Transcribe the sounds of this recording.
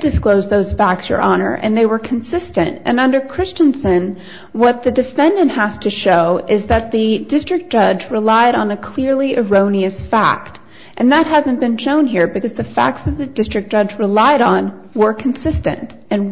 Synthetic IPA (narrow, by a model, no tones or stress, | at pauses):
d̥ɨskloʊzðoʊz̥fæk̚sə̰˞ʔɑnə̰˞ʔɨ̰̃nðeɪwə˞kʰn̩sɪstɨ̰̃ntʔɨ̰̃nʌ̃ndə˞kʰɹ̥ɪst͡ʃɨ̃nsɨ̃n | wʌt̪̚ðɨdɨfɛ̃ndɨ̃nʔhæz̥tʰɨʃoʊɪzðɨt̪̚ðɨdɪstɹ̥ɨk̚d̥ʒ̥ʌd͡ʒɹɨlaɪɾn̩ɨkʰl̥ɪɹliʔɪɹõʊ̃niɨsfæ̰k̚t | ʔɨ̃nðət̚ɦæzɨ̃nb̥ɨ̃nʃõʊ̃nɦiɹbɨkʌzðɨfæ̰k̚tsðɨt̪̚ðɨdɪstɹ̥ɨk̚d̥ʒ̥ʌd͡ʒɹɨlaɪɾn̩ | wə˞kʰn̩sɪstɨ̰̃nt | ɨ̃n